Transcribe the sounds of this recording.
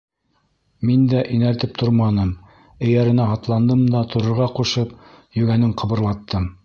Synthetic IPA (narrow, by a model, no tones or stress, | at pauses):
mind̪æʔinæɾt̪ɘp̚t̪ʰoɾmɑnɤm | ɘ̆jæɾɘ̆næɦɑt̪lˠɑnd̪ɤmd̪ɑt̪ʰŏɾɤ̆ɾʁɑquʃɤp | jɵ̆ɡænɘɴqʰɤ̆βɤ̆ɾlˠɑt̪ːɤm